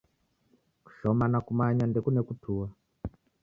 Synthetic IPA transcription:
ku̥ʃomanakumaɲandekunekutʰuːwa

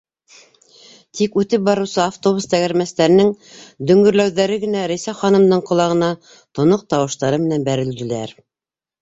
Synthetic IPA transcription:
t̪ʰikʉt̪ɘp̚bɑɾɤ̆wsɤaft̪o̞βust̪æɡæɾmæst̪æɾɘ̆nɘŋ | d̪ɵ̆ŋɡɵ̆ɾlæwðæɾɘɡɘ̆næɾæjsæχɑnɤ̆md̪ɤɴqŏlˠɑʁɤ̆nɑ | t̪ŏnoq̚t̪ɑwɤ̆ʃt̪ɑɾɤmɘ̆nænbæɾɘ̆ld̪ɘ̆læ̰ɾ

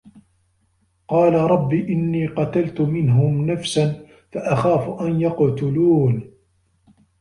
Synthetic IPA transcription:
qɑːlaɾˤɑbːiːʔɪnːiːqɑt̪alt̪ʊmɪnɦʊmnafsan | faʔaxaːfʊʔanjɑqt̪ʊluːn

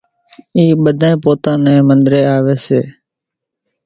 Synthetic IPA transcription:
iːɓəd̪ʱaẽːpoːt̪ãːnɛ̃ːmənd̪ɾeːaːʋeːseː

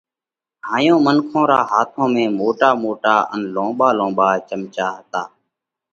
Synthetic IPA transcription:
ɦaːjõːmənkʰõːɾaːɦaːt̪ʰõːmẽːmoːʈaːmoːʈaːʔə̰nlõːɓaːlõːɓaːt͡ʃəmt͡ʃaːɦət̪aː

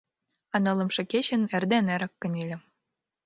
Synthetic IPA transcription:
ɑnɤ̆lˠɤ̆mʃɤ̆keɕɘ̆nĕrd̪eneɾɑkːɤ̆nʲelʲɘ̆

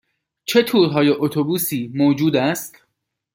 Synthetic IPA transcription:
t͡ʃʰe̞t̪ʰuːɾɦɒːjeʔot̪ʰobuːsiːmoːd͡ʒuːd̪æst̪

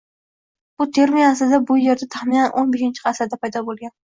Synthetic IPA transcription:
b̥ʊt̪ʰe̞ɾmiasɪd̪abʊje̞ɾd̪at̪ʰaχminanʔonbeʃɪnt͡ʃʰɪqʰɑsad̪apʰajd̪ɒbolˠɡʲan

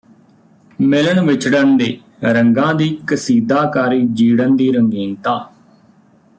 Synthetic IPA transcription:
mɪləɳʋɪt͡ʃʰɖənd̪eː | ɾəŋɡãːd̪iːkəsiːd̪aːkaːɾiːd͡ʒiːɽənd̪iːɾəŋɡiːnt̪aː

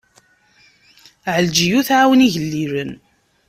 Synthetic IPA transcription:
ʕəld͡ʒijuθʕawəniʝəlːiɾən

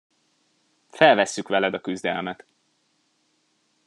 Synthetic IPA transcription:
fɛlvɛsːykʋɛlɛd̪ɒkyzd̪ɛ̰lmɛt̪

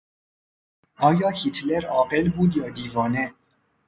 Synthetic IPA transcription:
ʔɒːjɒːhit̪ʰleɾɒːɢelbuːd̪jɒːd̪iːvɒːne

